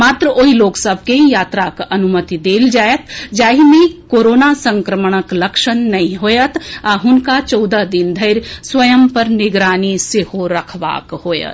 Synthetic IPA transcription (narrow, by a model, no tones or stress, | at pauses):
maːt̪ɾəoːɦiloːksəbʱkeĩjaːt̪ɾakɐnumət̪id̪eːld͡ʒaːjət̪ʰd͡ʒaːɦimekoːɾoːnasə̃ŋkɾəməɽ̃əkləkʃənːɐɦĩɦojət̪ʰaɦʊnkat͡ʃɔːd̪əɦd̪ind̪ʱəɪɾswəjəmpəɾnɪɡɾaːnisehoɾəkʰʋa̰ːkhoːjə̰t̪